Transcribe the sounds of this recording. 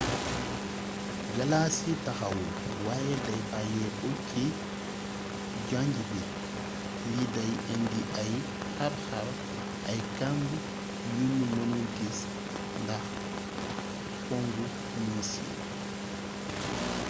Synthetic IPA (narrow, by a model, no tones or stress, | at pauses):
ɡalaːsitahawɔ | wajɛdajbajɛbokʰi | d͡ʒaɲɡibɛ | lidajʔendiʔaj | haɾhaɾ | ʔajkandu | junːumonuɡis | ndah | foŋɡu | misḭ